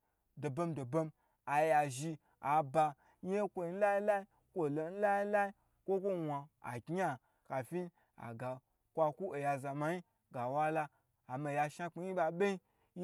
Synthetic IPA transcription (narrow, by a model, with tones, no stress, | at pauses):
do˨bo˧mdo˨bo˧m | a˨ja˨ʒi˧ | a˨ba˧ | ɲe˦kʷo˧i˧n̩˦la˦i˦la˦i˦ | kʷo˦˨lo˨˦n̩˦la˦ji˦la˦i˦ | kʷo˦kʷo˦wʷa˧a̰˨kʲi˦a˨ | ka˨fi˦ | a̰˨ɡa˨ | kʷa˧ku˦o˨ja˧za˨ma˨˧i˦ | ɡa˨wa˦laː˧˨ | ma˧ja˧ʃa˧k͡pi˧˦ji˦ba˧ɓe˦i˦